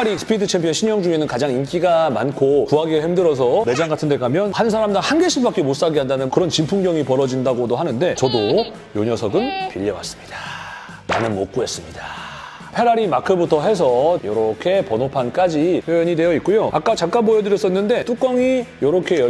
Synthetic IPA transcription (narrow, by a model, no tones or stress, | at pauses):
ɾisʰɯ̥pʰidɯt͡ɕʰempʰijʌnɕʰiɲjʌŋd͡ʑuŋe̞nɯnkad͡ʑaŋink͈iɡamankʰokuɦaɡiɡahimdɯɾʌs̬ʰʌme̞d͡ʑaŋɡatʰɯnde̞ɡamjʌnhansʰaɾamdahanɡeɕʰibak͈emos͈aɡiɦandanɯnkɯɾʌnt͡ɕimpʰuŋɡjʌŋipʌɾʌd͡ʑindaɡodoɦanɯnde̞t͡ɕʌdo | joɲʌsʰʌɡɯnpiʎːʌwa̰s͈ɯ̥mɲid̥a | nanɯnmok͈̚ue̞s͈ɯmɲida | pʰe̞ɾaɾimakʰɯbutʰʌɦe̞s̬ʰʌjʌɾʌkʰe̞pʌnopʰank͈ad͡ʑipʰjojʌɲidwe̞jʌit̚k͈ujoa̰k͈at͡ɕak͈anbojʌdɯɾjʌs͈ʌinːɯnde̞t͈ʰuk͈ʌŋijʌɾʌkʰe̞j